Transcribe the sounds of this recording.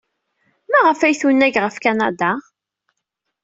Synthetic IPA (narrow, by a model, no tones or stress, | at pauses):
mæʁəfæjθunːæʝʁəfkanad̪a